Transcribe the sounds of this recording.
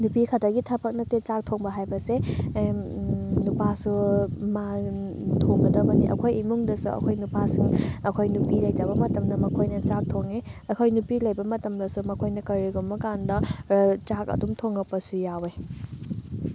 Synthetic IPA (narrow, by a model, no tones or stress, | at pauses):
nupikʰɐdɐɡitʰɐbʰɐk̚nɐtet͡ʃak̚tʰoŋbɐɦajbɐse | nupasuma | tʰoŋɡɐdɐbɐniʔɐ̰kʰojimuŋdɐsuɐ̰kʰojnupasiŋɐkʰojnupilɐjtabɐmɐtɐmdɐmɐkʰojnɐt͡ʃak̚tʰoŋeɐkʰojnupilɐjbɐmɐtɐmdɐsumɐkʰojnɐkɐɾiɡumːɐkandɐt͡ʃak̚ɐ̰dumtʰoŋɡɐpːɐsujawe